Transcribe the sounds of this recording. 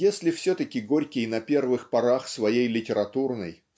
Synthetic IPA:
jesʲlʲɪfsʲɵt̪əkʲɪɡo̞ɾʲkʲɪjnɐpʲe̞rvɨxpɐɾaxsvɐjejlʲɪtʲɪɾɐt̪urnəj

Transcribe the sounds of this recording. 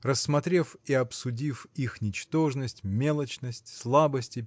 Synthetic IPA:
rəsːmɐt̪ɾʲe̞fiɐpsʊdʲifixnʲɪt͡ɕt̪o̞ʐnəsʲtʲmʲelˠət͡ɕnəsʲtʲslˠabəsʲtʲɪ

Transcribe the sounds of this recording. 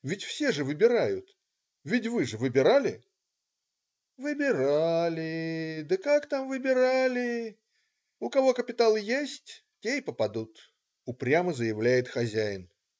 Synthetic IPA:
vʲɪtʲfsʲe̞ʐɨvɨbʲɪɾajʊt̪ | vʲɪt̬ʲvɨʐɨvɨbʲɪɾalʲɪ | vɨbʲɪɾalʲɪd̪əkakt̪amvɨbʲɪɾalʲɪ | ʊkɐvo̞kəpʲɪt̪alˠjesʲtʲ | tʲejpəpɐd̪ut̪ | ʊpɾʲaməzəjɪvlʲæjɪt̪xɐzʲæjɪn

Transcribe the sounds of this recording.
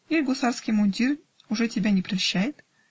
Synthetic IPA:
ilʲɡosɑrskʲijmunʲdʲir | uʐɛtʲibʲænʲeprɑɕːæjɪt̪

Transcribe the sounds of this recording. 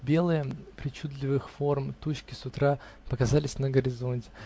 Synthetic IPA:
bʲe̞lˠɨjəpɾʲɪt͡ɕud̪lʲɪvɨxfo̞rmt̪ut͡ɕkʲɪ̥sʊt̪ɾa | pəkɐzalʲɪsʲnəɡəɾʲɪzo̞nʲtʲɪ̥

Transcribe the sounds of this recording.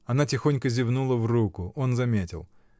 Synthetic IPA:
ɐnatʲɪxo̞nʲkəzʲɪvnulˠəvrukʊʔo̞nzɐmʲetʲɪ̰lˠ

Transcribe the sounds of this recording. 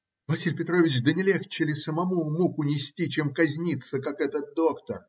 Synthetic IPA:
vɐsʲilʲpʲɪt̪ɾovʲɪt͡ɕd̪ənʲɪlʲext͡ɕːɪlʲɪsəmɐmumukʊnʲɪsʲtʲit͡ɕemkɐzʲnʲit̪səkakɛt̪ət̪̚d̪o̞kt̪ər

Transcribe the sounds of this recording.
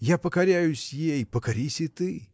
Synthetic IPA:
japəkɐɾʲajʊsʲjejpəkɐɾʲisʲɨt̪ɨ

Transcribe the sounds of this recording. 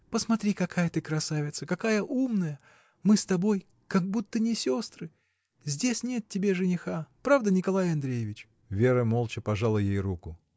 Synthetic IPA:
pəsmɐt̪ɾʲikɐkajət̪ɨkɾɐsavʲɪt̪səkɐkajəʔumnəjə | mɨst̪ɐbo̞j | kɐɡ̚but̪ːənʲɪsʲost̪ɾɨ | zʲdʲesʲnʲe̞t̪̚tʲːɪbʲe̞ʐɨnʲɪxapɾavd̪ənʲɪkɐlˠajɐnd̪ɾʲejɪvʲɪt͡ɕ | vʲeɾəmolˠt͡ɕɪpɐʐalˠəjejɾukʊ

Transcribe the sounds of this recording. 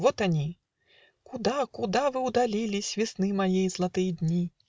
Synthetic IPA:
vɔt̪anʲi | kud̪akud̪avɨwd̪alʲilʲisʲvʲisnɨmajɛjzlˠat̪ɨjɛd̪ʲnʲi

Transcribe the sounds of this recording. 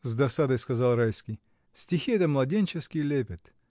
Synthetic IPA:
zd̪ɐsad̪əjskɐzalˠɾajskʲij | sʲtʲixʲiɛt̪əmlˠɐdʲenʲt͡ɕɪskʲilʲepʲɪt̪

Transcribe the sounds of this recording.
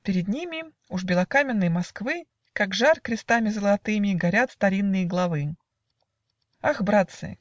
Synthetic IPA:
pʲɪɾʲɪd̪nʲimʲɪ | uʐbʲɪlˠɐkamʲɪnːɨjmɐskvɨ | kaɡʐarkɾʲɪst̪amʲɪzəlˠɐt̪ɨmʲɪɡɐɾʲat̪st̪ɐɾʲinːɨjəɡlˠɐvɨ | axbɾat̪sɨ̰

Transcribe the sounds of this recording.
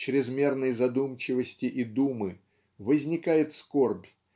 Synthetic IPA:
t͡ɕɾʲɪzmʲe̞rnəjzɐd̪umt͡ɕɪvəsʲtʲɪʔid̪umɨ | vəzʲnʲɪkajɪt̪sko̞rbʲ

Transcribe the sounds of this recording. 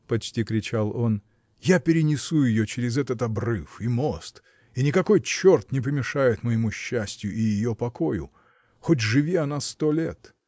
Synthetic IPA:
pɐt͡ɕtʲikɾʲɪt͡ɕalˠo̞n | japʲɪɾʲɪnʲɪsujɪjot͡ɕɪɾʲɪzɛt̪ət̪ɐbrɨfimo̞st̪ | inʲɪkɐko̞jt͡ɕːo̞rt̪nʲɪp̬əmʲɪʂajɪt̪məjɪmuɕːæsʲtʲjʊʔɪjɪjopɐko̞jʊ̰ | xot̬ʲʐɨvʲiɐnast̪olʲet̪

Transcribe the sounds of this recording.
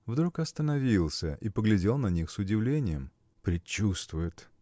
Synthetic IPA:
vd̪ɾukɐst̪ənɐvʲilˠsʲəʔipəɡlʲɪdʲelˠnɐnʲixsʊdʲɪvlʲenʲɪjəm | pɾʲɪt͡ɕːust̪vʊjɪt̪

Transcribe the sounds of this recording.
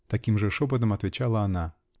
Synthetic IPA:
t̪akʲimʐɛʂɔp̬ɐt̪̬ɐmɐt̪ʋʲɪt͡ɕalˠɐːna

